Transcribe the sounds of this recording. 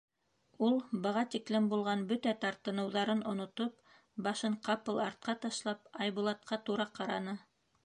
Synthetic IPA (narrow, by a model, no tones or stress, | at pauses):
ulˠbɤ̆ʁɑt̪iklɘmbulˠʁɑnbɵt̪æt̪ɑɾt̪ɤ̆nɤ̆wðɑɾɤnŏnŏt̪op̚ | bɑʃɤɴqɑpɤlˠɑɾt̪̚qɑt̪ɑʃlˠɑpɑjβulˠɑt̪̚qʰɑt̪uɾɑqɑɾɑnɤ